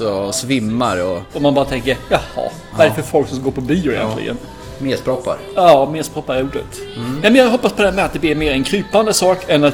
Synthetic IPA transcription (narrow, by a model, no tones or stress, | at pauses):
sɔsvɪmːa̰ɾɔɔmːanbɑːɾat̪ʰɛŋkəɾjɑhɑ̰ | vaɾfœɾfɔlksɔmskɡoːɾpʰɔbyːʊɪjɛ̰nʰlɪ̰ɡə̰n | meːspɾɔpːa̰ɾɑːmeːspʰɾɔpːaɾɛɾuːɖə̰t̪nɛmɛnjɑɡɦɔpːaspʰɔd̪ɛhæːmɛat̪̚d̪ɛblɪɾmeːɾɛnkʰɾyːpand̪əsɑːkɛnat̪